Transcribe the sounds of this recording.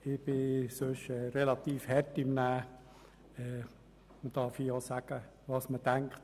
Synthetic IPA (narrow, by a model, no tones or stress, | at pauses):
ɪb̥ɪsøʃɛːɾelɑt̪iːfhɛtimnæː | ɛː | məd̥ɑːɾfijosæɡ̥ə | ʋɑːsmədæŋkt